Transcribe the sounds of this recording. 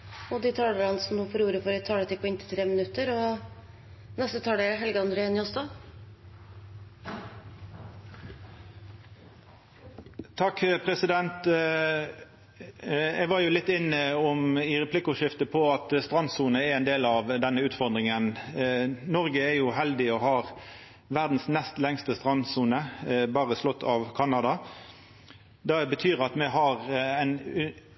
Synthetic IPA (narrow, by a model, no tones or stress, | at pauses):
ɔd̪ɪt̪ʰɑːləɾɑnsɔmnuːfɔɾuːɾəfɔɾɛt̪ʰːɑːɖət̪ɪkpʰɔɪnt̪ʰɪ̥t̪ʰɾeːmɪnʉt̪ːəɾɔ | nɛst̪ət̪ʰɑːɖɛɦɛlɡəɑnd̪ɾəenɪɔsd̪ɑ | t̪ʰɑkːpʰɾɛsɪd̪ɛnt̪ | ɛɡʋɑɾjʊlɪt̪ːɪnːəɔmɪʁɛplɪkːʊʃɪft̪əpʰɔɑt̪st̪ʁɑnsuːnəæɾɛɪnd̪eːlɑʋd̪ɛnːəʉːt̪fɔʁd̪ʁɪŋən | nɔʁɡəɛjʊhɛld̪ɪɔhɑːʁ | ʋæʁd̪n̩snɛst̪lɛŋst̪əst̪ʁɑnsuːnəbɑːʁəslɔt̪ʰːɑʋkʰɑnɑd̪ɑ | d̪ɛbət̪ʰyːʁɑt̪mɛɦɑʁɛɪn